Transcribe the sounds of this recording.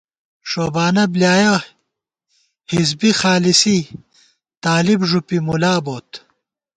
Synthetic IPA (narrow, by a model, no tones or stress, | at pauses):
ʂoːbaːnɐbljaːjɐ | hizbixaːlisi | t̪aːlibʐupimulaːboːt̪